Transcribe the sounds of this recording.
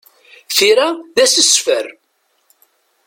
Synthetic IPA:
θiɾaðæsəsfəɾ

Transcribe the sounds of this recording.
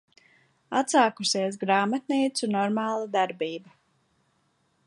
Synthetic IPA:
at̪saːkusiɛs̬ɡɾaːmat̪̚niːt̪sunɔɾmɑːlˠad̪aɾbiːba

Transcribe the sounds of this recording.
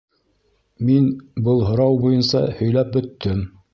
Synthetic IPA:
minbɤlˠɦŏɾɑwbujɤnsɑ̰hɵ̆jlæp̚bɵ̆t̪ːɘm

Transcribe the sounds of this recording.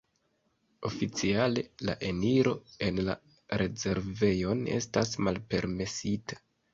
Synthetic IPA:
o̞fit͡siale̞la̰ʔe̞niɾo̞e̞nla̰ | ɾe̞ze̞ɾve̞jo̞ne̞̰stasmalpe̞̰ɾme̞sitḁ

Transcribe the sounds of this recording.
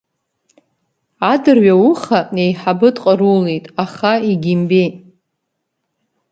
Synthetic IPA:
adɨrɥawuχanejħabɨtʼqʼəɾulejtʼaχaiɡʲimbejʼ

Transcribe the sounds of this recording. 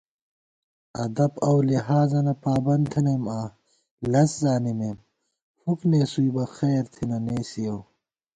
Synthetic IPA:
ɐ̰d̪ɐbɐwliɦaːzɐnɐpaːbɐnt̪ʰɐneːmaː | lɐszaːnimeːm | fukneːsuibɐxeːɾt̪ʰinɐneːsiɐw

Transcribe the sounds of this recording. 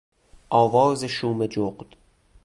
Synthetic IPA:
ʔɒːvɒːzeʃuːmed͡ʒoqd̪̥

